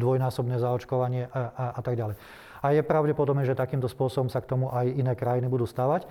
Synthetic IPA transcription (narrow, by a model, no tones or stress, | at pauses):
d̪ʋɔjnaːsɔbnɛːzaɔt͡ʃkɔʋaɲɪɛʔʔat̪aɡɟalɛj | ajɛpɾaʊɟɛpɔd̪ɔbnɛʒɛt̪akiːmt̪ɔspʊɔsɔbɔmsakt̪ɔmuʔajinɛːkɾajinibud̪uːst̪aːʋac